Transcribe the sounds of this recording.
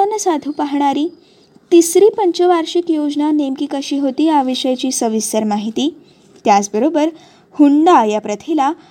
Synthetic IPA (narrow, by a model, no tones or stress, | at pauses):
ənːəsad̪ʱuːpaɦɳ̃aɾiː | t̪isɾiːpəɲt͡ɕəʋaɾɕikjod͡znanemkiːkəɕiːɦot̪iːaʋiɕəjat͡ɕiːsəʋisəɾmaɦit̪iː | t̪jat͡sbəɾobəɾ | huɳɖajapɾət̪ʰila